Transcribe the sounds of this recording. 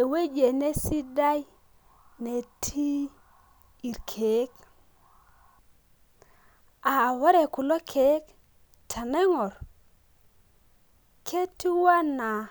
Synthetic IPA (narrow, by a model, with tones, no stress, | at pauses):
e˨we˦d͡ʒe˨ne˦si˦da˦j | ne˨tʰi˦ | i˨ɾkʰe˨˦k | a˨wa˦ɾe˨ku˨lo˦kʰe˨˦k | tʰa˨ne˦ŋɔ˨ɾ | kʰe˦ti˦wa˦na˨